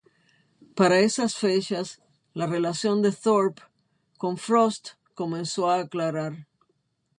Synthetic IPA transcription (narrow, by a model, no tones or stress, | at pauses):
paɾaesasfet͡ʃas | lare̞lasjo̞nd̪e̞θoɾp | ko̞ɱfɾost̪ | ko̞mẽnso̞aːklaɾaɾ